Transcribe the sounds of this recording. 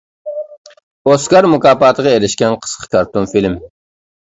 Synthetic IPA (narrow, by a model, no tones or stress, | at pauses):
oskɑɾmʊkɑːpɑːt̪ʰəʁɑeɾɪʃkʲɛnqʰə̥sqʰə̥kʰɑɾt̪onfilm